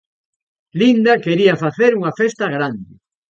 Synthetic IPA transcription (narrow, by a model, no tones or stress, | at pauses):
lind̪akeɾiɐfaθeɾuŋafest̪ɐɣɾand̪ɪ